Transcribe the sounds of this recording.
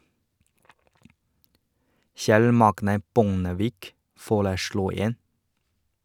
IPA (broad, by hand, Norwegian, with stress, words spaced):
ˈçɛl ˈmɑɡnə ˈbʊŋəʋiːk ˈfoːɭəˌsɽuː ˈeːn